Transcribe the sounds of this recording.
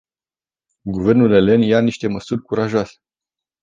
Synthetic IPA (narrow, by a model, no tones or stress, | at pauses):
ɡuve̞rnule̞le̞njaniʃt̪e̞məsurʲkuɾaʒasʲe̥